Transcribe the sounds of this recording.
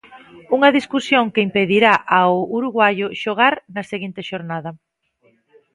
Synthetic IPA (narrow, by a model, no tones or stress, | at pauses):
uŋɐðiskusjoŋkɪimpeðiɾaʔaʊuɾuɣwajʊʃoɣaɾnɐseɣint̪ɪʃoɾnaðɐ